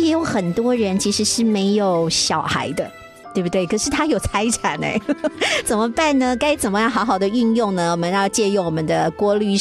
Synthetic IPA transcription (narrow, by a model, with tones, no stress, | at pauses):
jɛ˧˥jo˨˧˩ʊxə˨˩nt̪wɔ˥ɻə˧˥nt͡ɕʰi˧˥ʂɻ̩˧˥ʂɻ̩˥˩me˧˥ɪjo˨˩ʊɕjɑ˨˩ʊxa̰˧˥ɪd̪ə˧ | t̪we˥˩ɪbu˧˩t̪we˥˩ɪkʰɤ˨˩ʂɻ̩˥˩t̪ʰa˥jo˨˩ʊt͡sʰa˧˥ɪʈ͡ʂʰa˨˩nḛ˧˦t͡sə˨˩nmə˦pa˥˩nnə˩ka˥ɪt͡sə˨˩nmə˦jɑ˥˩ŋxɑ˧˥ʊxɑ˨˩ʊd̪ə˦y˥˧njʊ˥˩ŋnə˩wɔ˨˩mə˧˦njɑ˥˧ʊt͡ɕjɛ˥˧jo˥˩ŋwɔ˨˩mə˦nd̪ə˧kwɔ˥ly˥˧